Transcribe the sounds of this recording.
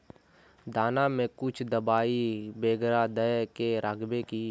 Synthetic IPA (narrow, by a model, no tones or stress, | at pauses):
d̪aːnamẽkʊt͡ʃʰd̪əbaːibeːɡɾad̪əjkeɾaːɡbekiː